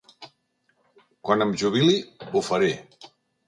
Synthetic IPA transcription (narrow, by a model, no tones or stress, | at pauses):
kwanəmʒuβ̞iliufaɾe